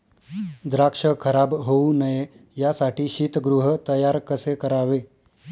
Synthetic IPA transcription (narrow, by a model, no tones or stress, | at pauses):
d̪ɾakʂəkʰəɾabɦounəjejasaʈiːɕiːt̪əɡɾuɦət̪əjaɾkəsekəɾaʋe